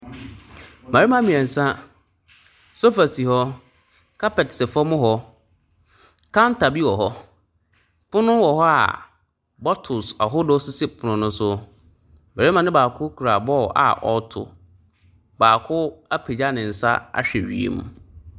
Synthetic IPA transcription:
mã˨ɾi˦mã˦mĩ˨ɛ˨n̩˨sã˦ | so˦fa˨si˨hɔ˦ | kʰa˦pɛ˨tsɛ˨fɔ˦mʊ̃˦ɦɔ˦ | kʰã˦nta˨bi˦wɔ˨ɦɔ˦ | pʰʊ˦nʊ̃˦wɔ˨hɔ˦a̰˨ | bɔ˦tʰʊ˨sa˨ɦʊ˦dɔ˦sʊ˦se˦pʰʊ˨nʊ̃˨nʊ̃˦sʊ˦ | bɛ˨ɾe˦mã˨nɪ̃˦baː˨kʰʊ˦kʰu˨ɾa˨bɔ˦ʔa̰˨ʔɔ̰˦tʰʊ̰˨ | baː˨kʰʊ˦a˦pʰe˨d͡ʑa˦nɪ̃˨n̩˨sa̰˦a̰˦ɕᶣɛ˨ɥḭ˨ḛ˦m˦

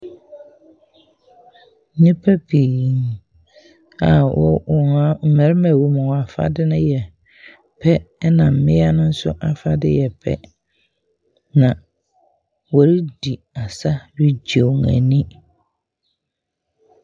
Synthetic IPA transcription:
ɲĩ˦pʰæ˦pʰi˨ŋ | a˨wʔɔ̰˦ɔ˨a˦m̩˨mɛ̃˨˦ɾmæ̃˨wu˨mʊ̃˨wa˨fa̰˦dɪ˦nʊ̃˦jɛ˨ | pʰɛ˦nã˨m̩˨mɪ̃˦a˦nʊ̃˦n̩˦sʊ̰˦ʔa˦fa˦dɪ̰˦jɛ˨pʰɛ̰˦ | nã˨ | wɔ˨ɾi˦di˨ | a˨sa˦ɾi˦d͡ʑe˨ŋæ̰̃˨nĩ˦

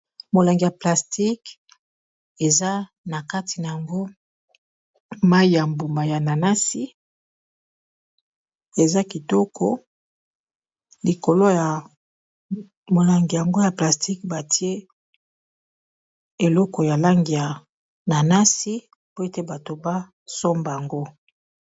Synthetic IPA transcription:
mo˨la˨ŋɡi˨ja˨pla˨sti˦k | e˨za˦ | na˨ka˦ti˨na˨ja˨ŋɡo˦ | ma˦i˦ja˨mbu˨ma˨ja˨na˨na˦si˦ | e˨za˦ki˨tɔ˦kʰɔ˦ | li˨ko˨lo˦ja˨ | mo˨la˨ŋɡi˨ja˨ŋɡo˦ja˨pla˨sti˦kba˨ti˦e˦ | e˨lɔ˦kɔ˨ja˨la˦ŋɡi˨ja˨ | na˨na˦si˦ | po˦e˦te˦ba˨to˨ba˦ | so˦mba˨a˨ŋɡo˦

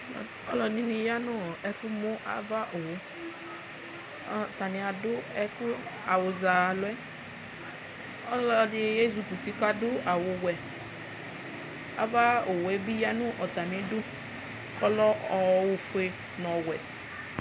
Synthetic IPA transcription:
ɔ˦lɔ˨nĩ˦ni˧ja˦nʊ˦ɛ˨fʊ˦mʊ˦ʔa̰˨va˦ʔo˨wʊ˨˦ | t̪a˨nɪ˨a˨dʊ˦ɛ˦kʊ˦ | a˨wʊ˨za˨lʊ˨˦ɛ˦ | ɔ˦lɔ˨dɪ˨je˦zu˨ku˨t̪i˦ka˦dʊ˦a˨wʊ˧wɛ˨ | a̰˨va˦o˨wʊ˨ɛ˦bi˦ja˦nʊ̃˦ʔɔ˨t̪a˨nĩ˨dʊ˦ | kɔ˦lɔ˦ɔ˨wʊ˨fʊ˦e˨ | nɔ̃˨wɛ˨

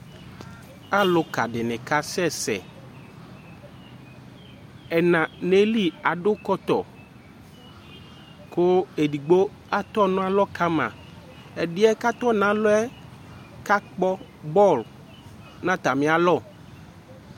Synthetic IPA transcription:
a˦lʊ˨ka˨ɖɪ˨nɪ̃˨ka˦sɛ˦sɛ̰˨ | ɛ˨nã˨ne˦li˦a˨ɖʊ˦kɔ˦t̪ɔ̰˨ | ko˦e˨di˨ɡ͡bo˦ | a˦t̪ɔ˦nʊ̃˦a˦lɔ˦ka˦mã̰˨ | ɛ˨ɖɪ˦ɛ˦ka˦t̪ɔ˦nã˦lʊ˦ɛ˦ | ka˦k͡pɔ˦ | bɔ˦˨l | nã˦t̪a˨mẽ˦a˨lɔ˦˨

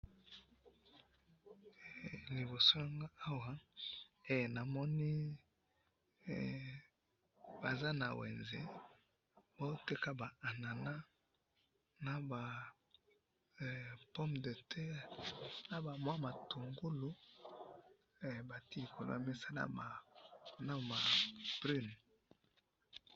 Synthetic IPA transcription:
li˨bo˨so˦ja˨ŋɡa˦a˦wa˨ | e˨jna˨mɔ˦ni˦˨ | ba˨za˦na˨wḛ˨nzḛ˨ | bo˦te˦ka˦ba˨a˨na˨na˦ | na˨ba˨ | pɔ˦mdə˨tʰɛ˦ʁna˨ba˨mwa˦ma˨tu˨ŋɡu˦lu˦ | ɛ˨ba˨ti˦li˨kʰo˨lo̰˦a˨mi˦sa˦na̰˨a˨na˦ma˨b̥ʁi˦n˨

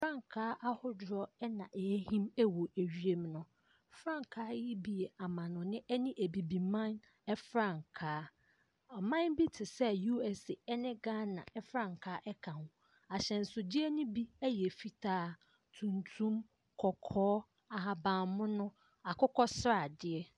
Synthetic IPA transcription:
fɾã˦˨ŋ˨kʰaː˦ʔa˦hʊ˦dʊ˨ɾɔ˦ɛ˦nã˨ʔɛ˨æ˦hĩ˦mɛ˦wo˨ʔæ˨ɥi˦e˦mnʊ̃˦ | fɾã˦˨ŋ˨kʰaː˦jɪ˦bi˨e˨a˨mã˨nʊ̃˨nɪ̃˦ʔɛ˦nĩ˦ʔæ˨bi˨bi˨mã˦n | ɛ˦fɾã˦˨ŋkʰaː˨˦ | ɔ˨mã˦nbi˦tʰɪ˨sɛ˦ju˦ɛ˨se˨ɛ˦nɪ̃˦ɡa˦nã̰˨ɛ˦fɾã˦˨ŋkʰaː˦ʔɛ˦kʰã˨nʊ̃˨˦ | a˨ɕɛ̃˨n̩˨sʊ˨d͡ʑɪ˦ɛ˦nʊ̃˦bi˦æ˦jɛ˨fi˦tʰaː˦ | tʰũ˨ntʰũ˦m | kʰɔ˨kʰɔː˦ | a˨ɦa˨bã˨mʊ̃˦nʊ̃˦ | a˨kʊ˦kɔ˦sɾa˦˨dɪ˨ɛ˦

